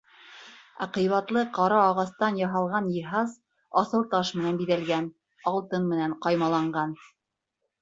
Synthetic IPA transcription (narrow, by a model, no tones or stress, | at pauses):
ɑ̰qɤ̆jβɑt̪lˠɤqɑɾɑːʁɑst̪ɑnjɑɦɑlˠʁɑnjɤ̆ɦɑz | ɑsɤlˠt̪ɑʃmɘ̆nænbiðælɡæn | ɑlˠt̪ɤnmɘ̆næɴqɑjmɑlˠɑɴɢɑn